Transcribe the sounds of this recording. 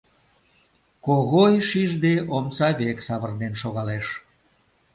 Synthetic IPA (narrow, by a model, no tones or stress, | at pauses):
koɣojʃiʒd̪eʔomsɑβeksɑβərnenʃoɣɑleʃ